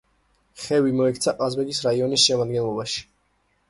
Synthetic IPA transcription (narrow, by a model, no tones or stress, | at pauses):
χɛvimɔɛkʰt̪sʰaqʼazbɛɡisɾaiɔnisʃɛmad̪ɡɛnlˠɔbaʃi̥